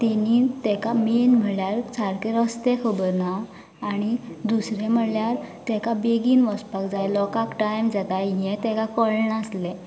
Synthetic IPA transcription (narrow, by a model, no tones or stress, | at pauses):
t̪ɛnit̪ɛkamenm̤əɭjaɾt͡sʰaɾkeɾəst̪ekʰəbəɾnaw | aɽ̃id̪usɾem̤əljaɾt̪ɛkabeɡiːnʋɔspakd͡zajlɔkakʈajmd͡zat̪ajɦijɛ̃t̪ɛkakəɭɳaaslɛ